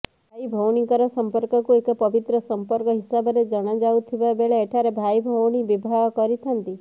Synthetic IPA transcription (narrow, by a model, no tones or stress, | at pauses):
bʱajbʱɔwɽ̃ikɔɾɔsɔmpɔɾkɔkuekɔpɔbit̪ɾɔsɔmpɔɾkɔɦisabɔɾed͡ʒɔɽ̃ad͡ʒawt̪ʰibabeɭeːʈʰaɾebʱajbʱɔwɽ̃ibibʱaɡɔkɔɾit̪ʰɔnt̪i